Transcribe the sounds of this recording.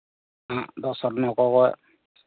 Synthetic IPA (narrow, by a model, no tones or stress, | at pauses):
ãdɔsɔtnɔkɔkɔj